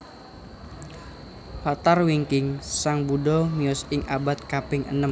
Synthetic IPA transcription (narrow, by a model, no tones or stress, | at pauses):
fat̪arwiŋkɪŋsaŋbuɖɔmiɔsɪŋʔa̰bat̪̚kapɪŋʔə̰nəm